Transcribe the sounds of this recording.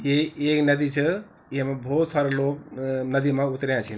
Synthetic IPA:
jeeːknɐd̪it͡ʃʰə | iɦmẽbʱoːt̪saːɾeloːknɐd̪imãut̪ɾjãt͡ʃʰin

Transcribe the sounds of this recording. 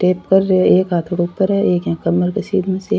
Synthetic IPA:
ʈeːpkɐɾːeeːkɦaːt̪ʰoɽʊp̪ːəɾɦɛeːkjãːkɐmːəɾkesiːd̪mẽse

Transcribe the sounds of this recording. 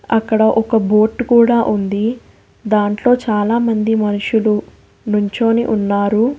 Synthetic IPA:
ɐkːɐɽɐʔɔkɐbo̞ːʈkuːɽaːʔund̪i | d̪aːɳʈlo̞ːt͡ʃaːlaːmɐnd̪imɐnuʂulu | nuɲt͡ʃo̞ːnḭʔunːaːɾu

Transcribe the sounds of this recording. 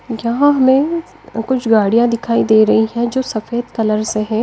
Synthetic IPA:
jɐɦãɦɐmẽ | kʊt͡ʃʰɡaːɽijãd̪ɪkʰaːid̪eːɾɐɦiɦɛ̃d͡ʒoːsɐfeːd̪kɐləɾseɦɛ̃ː

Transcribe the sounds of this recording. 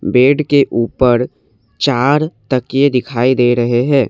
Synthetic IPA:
beːɖkeʔuːpəɾ | t͡ʃaːɾt̪ɐkjed̪ɪkʰaːid̪eːɾɐɦeɦɛ̃ː

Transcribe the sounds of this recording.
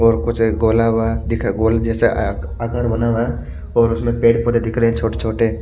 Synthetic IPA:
ɔːɾkʊt͡ʃʰɡoːlaːbad̪ɪkʰɾɡoːld͡ʒɛːse | akãːɾbənaːʋa | ɔːɾʊsmẽpeːʈpɔt̪ed̪ɪkʰɾeẽt͡ʃʰoːʈe̥t͡ʃʰoːʈe

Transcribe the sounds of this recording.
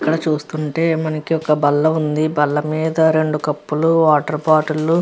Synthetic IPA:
kːɐɽɐt͡ʃuːst̪uɳʈe̞ːmɐnɐkiɔkɐbɐlːɐund̪ibɐlːɐmiːd̪ɐɾe̞ɳɖukɐpːuluʋaːʈɐɾpaːʈulːu

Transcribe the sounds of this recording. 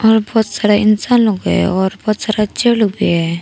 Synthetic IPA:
ɔɾbʱɔt̪saɽaɪnsaːnloɡɛ̰ɔɾbʱɔːt̪saɽat͡ʃelubiɛ

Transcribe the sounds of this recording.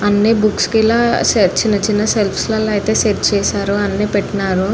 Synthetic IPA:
ɐnːeːbukskilaːset͡ʃinːɐt͡ʃinːɐselpʰslɐlɐjt̪eːseɾt͡ʃɛːsaːɾuɐnːeːpeʈːɐnaːɾu

